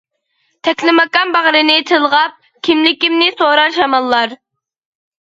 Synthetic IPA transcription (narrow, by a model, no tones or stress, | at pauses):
t̪ʰɛkʲlɪmɑkɑmbɑʁɾɪnɪt̪ʰɨlˠʁɑp̚ | kʲʰimlɪkʲimnɪsoɾɑʃɑmɑlˠːɑɾ